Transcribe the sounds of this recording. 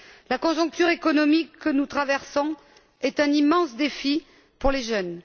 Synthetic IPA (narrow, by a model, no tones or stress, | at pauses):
lakɔ̃ʒɔ̃k̚t̪yʁekɔnɔmikːənut̪χavɛʁsɔ̃ | ɛt̪ɛ̃nimɑ̃sd̪efi | puʁleʒœn